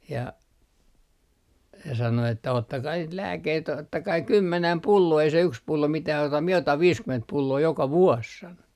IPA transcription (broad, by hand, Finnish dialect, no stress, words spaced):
jɑ se sɑno etːæ otːɑkɑi niːt læːkːeit otːɑkɑi kymːenæm pulːoː ei se yks pulːo mitæh ɑutɑ mie otɑm ʋiːskyment pulːoː jokɑ ʋuos sɑno